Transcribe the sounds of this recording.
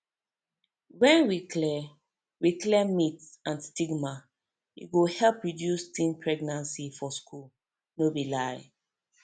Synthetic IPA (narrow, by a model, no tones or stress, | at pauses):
wɛ̃nwiklɛ | wiklɛmitsãnstiɡma | ḭɡohɛlpɹidjustĩnpʰɹɛɡnãnsifɔskul | nobilaj